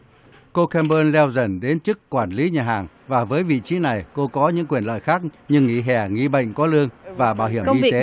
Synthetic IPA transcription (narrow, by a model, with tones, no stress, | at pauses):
ko˧kɛ˧mɓəː˧nlɛ˧wzə̰˧˩nɗe˨˦nt͡ɕɨ˦˥kːwaː˧˩nli˨˦ɲaː˨˩ɦaː˨˩ŋ | vaː˨˩vəː˨˦jvḭ˧˨t͡ɕi˨˦na˨˩jko˧kɔ˨˦ɲɨ̰˧˥ŋkwi˨˩ənlə̰ː˧˨jxaː˦˥k̚ɲɨ˧ŋːi˧˩ɦɛ˧˩ŋḭ˧ɓə̰˧˨jŋ̟kɔ˨˦lɨ˧əŋvaː˨˩ɓaː˧˩whi˧˩ə˨˧mi˧t̪e˨˦